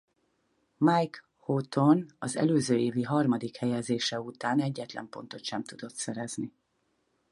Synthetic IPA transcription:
majk | hot̪o̞nɒzɛ̰løːzøːeːviɦɒrmɒd̪ikhɛjɛzeːʃɛut̪aːnɛɟːɛt̪lɛ̰mpo̞̰nt̪o̞t̪ʃɛmt̪ud̪o̞t̪sɛɾɛzni

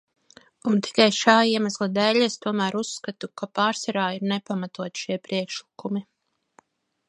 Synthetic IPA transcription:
unt̪i̥kajʃaːiɛmaslˠad̪ɛːʎʲest̪uɔmæːɾusːkat̪ukapaːɾsaɾaːiɾnɛpamat̪uɔt̪i̥ʃiɛpɾiɛkʃlikumi

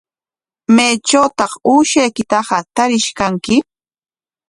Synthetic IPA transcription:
majt͡ʃawt̪ɑχuːʃajkɪt̪ɑɢɑt̪aɾɪʃkaŋkɪ

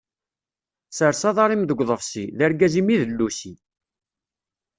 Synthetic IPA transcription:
səɾsɑðˤɑɾˤimðəɡʷðˤəfsiðəɾɡæzimiðəlːusi

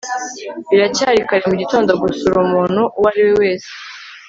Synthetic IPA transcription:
βiɾacaːɾikaɾemuɟito̞ːndo̞ɡusuɾuːmuːn̤̥uwaɾiwewe̞ːse̥

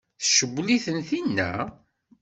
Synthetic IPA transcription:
θʃəbːliθənθinːæ̰

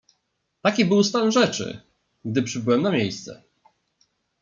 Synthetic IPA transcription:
t̪akʲibɘwst̪anʐɛt͡ʂɘ̰ | ɡ̚d̪ɘpʂɘbɘwɛmnamʲjejst̪sɛ̰

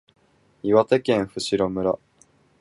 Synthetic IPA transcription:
iβat̪e̞kẽ̞ɰ̃ɸɯ̟ɕiɾo̞mɯ̟ɾa

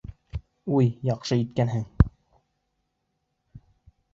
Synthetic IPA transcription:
ujjɑqʃɤit̪̚kænɦɘŋ

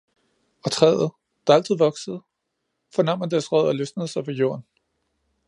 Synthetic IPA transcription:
ɒ̽t͡sʰʁɛð̰ˠð̩ˠ | d̥ɑ̈æl̰t͡sʰið̩ˠʋɒ̽ɡ̥səð̩ˠ | fɒ̽nɑ̈məd̥æɐsʁœð̞̰ˠɒløsnəð̩ˠsɑ̈ɪʋɒjo̝̰ɐn

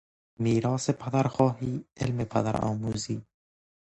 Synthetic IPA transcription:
miːɾɒːsepʰad̪aɾxɔːhiːelmepʰa̰d̪a̰ɾɒ̰ːmuːziː

